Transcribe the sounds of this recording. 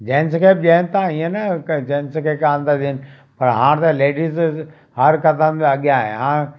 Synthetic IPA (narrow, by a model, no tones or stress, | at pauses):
d͡ʑeːnskʰeːp̚ʄeːɪnt̪ʰãiẽnɐd͡ʑẽːnskʰeːkãːnd̪ad̪iənɪ̆ | pɐɾɦãːɽ̃t̪ɐleːɖiz | ɦɐɾkɐt̪əmɐɠijãːɦḛ̃ɦãː